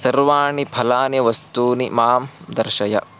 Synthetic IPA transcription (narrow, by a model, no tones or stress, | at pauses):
sɐɾʋaːɳipʰɐlaːnjɐʋɐst̪uːnimaːmd̪ɐɾʃɐjɐ̰